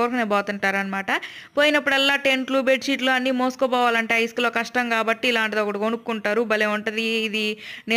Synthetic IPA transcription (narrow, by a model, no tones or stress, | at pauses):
oːɾkɐneːbɔːt̪uɳʈaːɾɐnɐmaːʈɐpo̞ːjinɐpːuɽɛlːaːʈenkluːbeːʈʂiːʈluːɐnːiːmoːsu̥kɔːbɔːʋaːlɐɳʈeɐjsklo̞ːkɐʂʈɐŋkaːbɐʈːiːlaːɳʈit̪oːkuɽɐkonukːuɳʈaːɾubɐleːuɳʈund̪iːd̪ine